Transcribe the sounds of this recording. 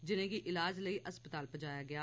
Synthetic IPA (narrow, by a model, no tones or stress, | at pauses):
d͡ʒɪnẽːɡiːʔɪlaːd͡ʒləiːʔəspət̪aːlpəd͡ʒaːjaːɡɪaː